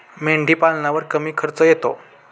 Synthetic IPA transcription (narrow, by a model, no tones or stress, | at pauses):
meɳɖʱiːpalnaʋəɾkəmiːkʰəɾt͡səjet̪o